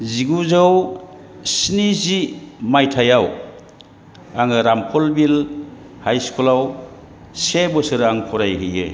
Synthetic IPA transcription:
ziɡuzaw | sinizimajtʰajaw | aŋɯɾamkʰɔlbil | hajskʰulaw | sebɔsɯɾaŋpʰɔɾajɦɯjɯ̰

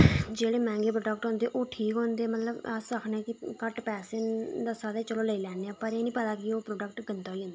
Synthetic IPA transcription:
d͡ʒeːɽeːmɛ̃ːŋɡeːpɾoːɖək̚ʈɦõːnd̪eːʔoːʈʰiːkɦõːnd̪eːmət̪ləbəsəkʰnɛ̃ːkɪkəʈpɛːsed̪aːsaːɾeːt͡ʃəloːləiːlɛːneãːpəɾeːnĩːpət̪aːkɪoːpɾoːɖəkʈɡənd̪aːiːɦõːnd̪a

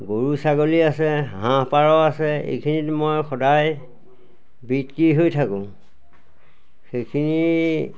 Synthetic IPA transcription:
ɡoɹusaɡoliasɛɦãpaɹɔasɛḛjkʰinitmojxɔdaj | bitkɹiɦojtʰakʊ̃ | xejkʰini

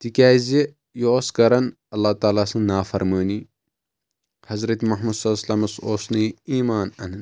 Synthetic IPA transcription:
t̪ikʲaːzi | jooskɐɾɐn | ɐlːaːt̪aːlaːsɨŋnaːfɐɾmɐːni | hɐzɾɐt̪ʲmɐħmɐd̪sɐlslɐmɐsoːsnɨiːmaːnɐnɨn

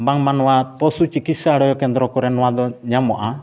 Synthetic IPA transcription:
baŋmanɔat̪ɔsut͡ʃikisaɽɔjɔkɛnd̪ɔɾɔkɔɾɛnɔwad̪ɔɲamɔʔa

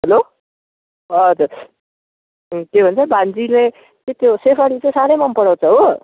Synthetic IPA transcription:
ɦʌlo | ʌd͡zuɾ | k̪ebʱʌnt͡sʰʌbʱand͡zile | t̪et̪josepʰʌɽit͡sʌj̃saɾʌjmʌnpʌɽaw̃t͡sʰʌɦo

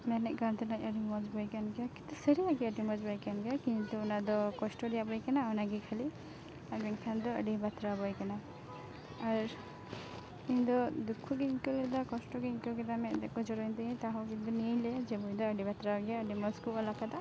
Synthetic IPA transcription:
mɛnɛʔɡant̪ɔnaəɖimɔd͡ʒbɔjkanɡakit̪usəɾiaɡiəʈimɔd͡ʒbɔjkanɡakint̪uːnad̪ɔkɔsʈɔɾijaʔbɔjkanaɔnaɡɛkʰali | aɾbɛŋkʰand̪ɔə̰ɖibat̪ɾabɔjkanaː | ɾ | ind̪ɔd̪ukʰːɔɡiŋkɔlɛd̪akɔsʈɔɡiŋkɔɡɛd̪amɛʔd̪ɛkɔd͡ʒɔɾɔjnd̪ɛɛ̃t̪aɦɔɡid̪ɔnieɲlɛd͡ʒɛbɔjd̪ɔəɖibat̪ɾaɡaəɖimɔd͡ʒkuɔlakad̪a

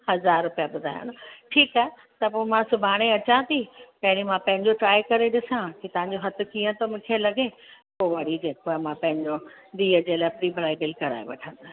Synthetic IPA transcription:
hɐzaːɾːʊpijaɓʊd̪ʱaːjʊ̰nʈʰiːkaːe | t̪ɐpoːmãsʊbʱaːɽ̃eɐt͡ɕãt̪ʰipɐ̃ɦɪɽ̃imãpɐ̃ɦɪ̃ɲd͡ʑoʈɾaːikɐɾeɗɪsãkit̪ɐ̃ʋ̤ãɲ̆d͡ʑoɦɐt̪ʰʊ̆kiːə̃t̪ʰomɪkʰelɐɡʱe | poːʋɐɽid͡ʑeːkoaːmãpɐ̃ɦɪ̃ɲd͡ʑoɗ̪iːəd͡ʑeːlɛpɾibʱɐlaːiɖɪlkɐɾa̰ːḛʋɐʈʰə̃nd̪aː

